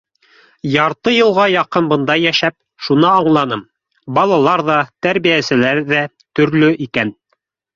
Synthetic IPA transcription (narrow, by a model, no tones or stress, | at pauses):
jɑɾt̪ɤjɤ̆lˠʁɑjɑqɤnbɤ̆nd̪ɑjæʃæp̚ | ʃunɤɑɴlˠɑnɤm | bɑlˠɑlˠɑɾðɑt̪æɾβijæsɘ̆læɾðæ | t̪ɵ̆ɾlɵʔikæn